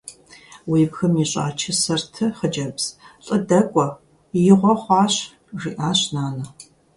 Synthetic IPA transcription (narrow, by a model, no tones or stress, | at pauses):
wiːpxɐmiːɕʼa̰ːt͡ʃʰɪsɐrtʰɨχəd͡ʒɐbz̥ɬʼɨdɐkʷʼɔ | jɪʁʷɔχʷɑːɕ | ʐiːʔaːɕnaːnɐ